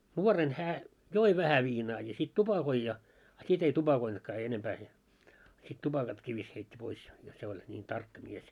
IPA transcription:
nuoren hæː joi ʋæhæ ʋiːnɑː jɑ sit tupɑkoi jɑ ɑ sit ei tupɑkointkɑː enempæː se sit tupɑkɑtkiː ʋis heitʲːi pois jot se olʲ nʲiːn tɑrkːɑ mies

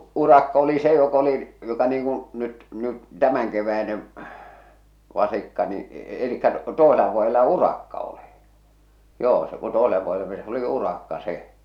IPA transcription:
urɑkːɑ oli se jok oli jotɑ niːŋ kũː nyt nyt tæmæŋkeʋæineʋ ʋɑsikːɑ ni elikːæ toeselɑ ʋuojelɑ urɑkːɑ oli joː se ku toesele ʋuojele meni sĕ oli urɑkːɑ se

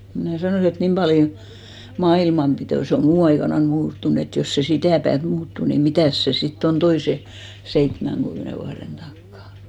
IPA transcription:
mnæˑ sɑnoˑsi et nim pɑljo mɑilmɑmpitoˑ seˑ o muː ɑikɑnɑn muːtːun et jos se sitæˑ pæːt muːtːu ni mitæˑs se sitː on toise seitmæŋkymːĕne ʋuɑren tɑkːɑˑ

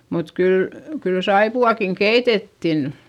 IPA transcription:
mut kyl kyl sɑipuɑˑkiŋ keitetːin

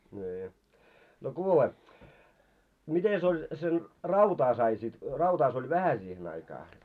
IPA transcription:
nʲiː no kuːle mites olʲ sen rɑutɑː sɑi sit rɑutɑː se olʲ ʋæhæ siːhen ɑikɑː

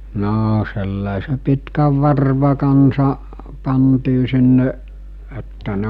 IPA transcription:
noː selːɑˑise pitkæʋ ʋɑrʋɑ kɑnsɑ pɑntiː sinːe etːæ ne

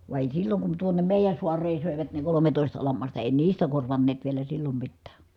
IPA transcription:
ʋɑ eˑi silːoŋ kun tuonem meˑijæn̞ suɑreːn̞ søˑeʋæt ne kolometoˑistɑ lɑmːɑstɑ eˑi niːstæ korʋɑnːeːt ʋielæ silːom mitːæː

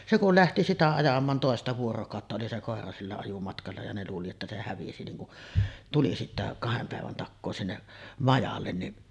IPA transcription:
se kul læhti sitæ ɑjɑmˑɑːn toˑestɑ ʋuorokɑˑotːɑ oli se koˑerɑ silːæ ɑjumɑtkɑlːɑ jɑ ne luːli etːæ se hæʋisi niŋ kuʔ tuli sitːæ kɑhem pæˑeʋæn tɑkːoː sinːeʔ mɑjɑlːen niʔ

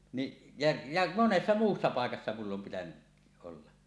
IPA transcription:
niʔ jɑ jɑ monesːɑ muːsːɑ pɑˑekɑsːɑ mulː om pitænyʔ ʔolːɑ

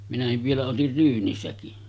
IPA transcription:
minæhiʋ ʋielæ otir ryːnisækin

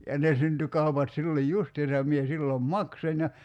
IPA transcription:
jɑ ne synty kɑupɑt silːoj justiːsɑ jɑ mie silːom mɑksonʲ jɑ

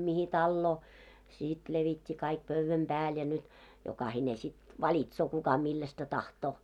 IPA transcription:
mihi tɑlːoː siˑt leʋitʲːi kɑik pøʋːæm b̥æːl jɑ nyt jokɑhine sit ʋɑlitsoː kukɑ milːæstæ tɑhtoː

